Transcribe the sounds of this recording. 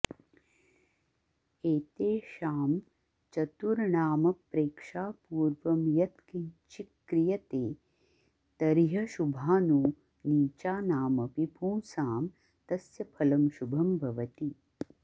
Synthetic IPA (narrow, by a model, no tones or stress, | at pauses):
eːt̪eːʃaːm | t͡ʃɐt̪uɾɳaːmɐpɾeːkʂaːpuːɾʋɐmjɐt̪kint͡ʃikːɾijɐt̪eː | t̪ɐɾɦɐʃubʱaːnuː | niːt͡ʃaːnaːmɐpipõːsaːm | t̪ɐsjɐpʰɐlɐmʃubʱɐmbʱɐʋɐt̪i